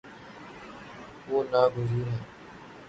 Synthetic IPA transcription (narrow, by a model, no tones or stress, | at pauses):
oːnaːɡʊziːɾɦɛ̃ː